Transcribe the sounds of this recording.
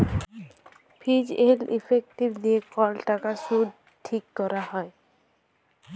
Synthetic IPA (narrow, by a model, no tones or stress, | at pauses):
pʰid͡ʑelḭpʰek̚ʈibniekɔlʈakasud | ʈʰikːɔɾahɔe